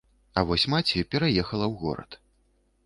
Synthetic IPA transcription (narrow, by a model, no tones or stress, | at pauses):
ɐvɔsʲmat͡sʲijupʲɛɾajɛxɐlˠɐwɣɔ̰ɾɐ̰t̪